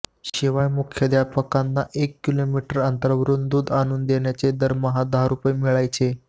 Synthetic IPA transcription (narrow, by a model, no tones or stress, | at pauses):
ɕiʋajmukʰjəd̪japəkanːaʔekːilomiʈəɾənt̪əɾʋɾuːnd̪uːd̪añuːnd̪eɳjat͡sed̪əɾməɦad̪aɾupəjmiɭajt͡se